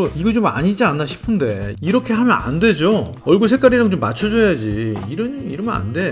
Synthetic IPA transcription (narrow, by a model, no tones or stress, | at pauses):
oiɡet͡ɕoma̰ɲid͡ʑianːaɕʰi̥pʰɯnde̞iɾʌkʰe̞ɦamjʌna̰nde̞d͡ʑo | ʌɭɡus̬ʰe̞k͈aɾiɾaŋt͡ɕomːat͡ɕʰʌd͡ʑʌjad͡ʑiiɾʌɲiɾɯmna̰nde̞